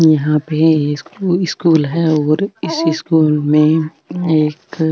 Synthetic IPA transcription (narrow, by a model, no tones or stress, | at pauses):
jɐɦãpesɪskuːlɦɛɔːɾɪsɪskuːlmẽ | eːk